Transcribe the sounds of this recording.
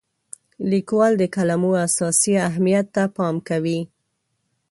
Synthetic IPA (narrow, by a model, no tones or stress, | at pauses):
likwɑld̪əkalamuasɑsiaɦmijat̪ːapɑmkawi